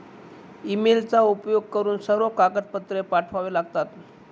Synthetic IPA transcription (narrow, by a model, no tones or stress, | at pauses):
imelt͡saupjoɡ̚kəɾuːnsəɾokakət̪̚pət̪ɾepaʈʰʋaʋelaɡt̪at̪